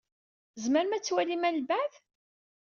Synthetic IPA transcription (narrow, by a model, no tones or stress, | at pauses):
zməɾmæt͡sːwælimælbæð